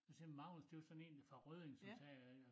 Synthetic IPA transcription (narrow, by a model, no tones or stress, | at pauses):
semɑ̈ʊ̰ləsd̥e̝sɒ̽ne̝ːn̥fɑʁøðˠeŋsɒt͡sʰɛ